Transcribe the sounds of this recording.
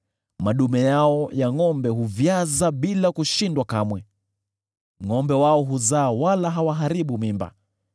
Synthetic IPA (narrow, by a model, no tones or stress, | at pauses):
maɗumɛjaɔjaŋɔmbɛɦuvjazaɓilakuʃindwakamwɛ | ŋɔmbɛwaɔɦuzaːwalaɦawaɦaɾiɓumimba̰